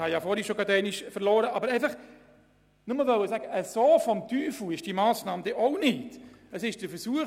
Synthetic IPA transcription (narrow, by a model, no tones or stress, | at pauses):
hɑjɑːfɔːɾiʃoɡɑdɛɪniʃfəɾlɔːɾəʔɑːbəɾæɪfɐχ | nʊməlʋœʊəsaːɡəʔəsoːfɔmtʰyːfuɪʃd̥iːmɑːsnɑːmd̥̪eʔoʊnɪt | əsɪʃd̥əfəɾsuə